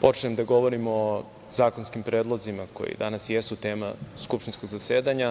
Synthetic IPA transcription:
po̞t͡ʃnemd̪aɡo̞ʋo̞ɾimo | zaːkonskimpɾeːd̪lˠozimako̞̰jḭd̪anasjesut̪e̞ːmaskupʃt̪insko̞ɡzaseːd̪aɲa

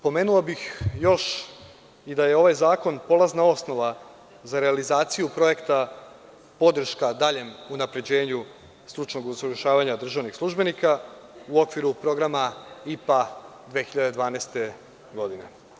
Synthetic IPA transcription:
po̞meːnulabixjo̞ʃ | id̪aje̞o̞ʋajzaːko̞npo̞laznao̞sno̞ʋa | zaɾe̞alizaːt̪sijupɾo̞je̞kt̪a | po̞d̪r̩ʃkad̪aʎe̞munapɾe̞d͡ʑe̞ːɲu | st̪ɾut͡ʃno̞ɡusɾuʃaːʋaɲad̪r̩ʒaʋnixslˠuʒbe̞nikauo̞kʋiɾupɾo̞ɡɾamaipad̪ʋexiʎad̪e̞d̪ʋaːnajst̪e̞ | ɡo̞d̪ine̞̰

